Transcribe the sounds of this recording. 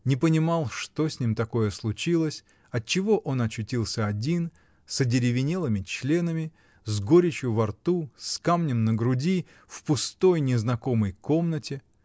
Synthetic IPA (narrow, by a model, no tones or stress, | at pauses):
nʲɪpənʲɪmɑlˠʂt̪o̞sʲnʲimt̪ɐko̞jəslˠʊt͡ɕilˠəsʲ | ɐt̚t͡ɕːɪvo̞ʔo̞nɐt͡ɕʊtʲilˠsʲəɐdʲin | sədʲɪɾʲɪvʲɪnʲelˠɨmʲɪt͡ɕlʲe̞nəmʲɪ | zɡo̞ɾʲɪt͡ɕjʊvɐrt̪uskamnʲɪmnəɡɾʊdʲi | fpʊst̪o̞jnʲɪznɐko̞məjko̞mnətʲɪ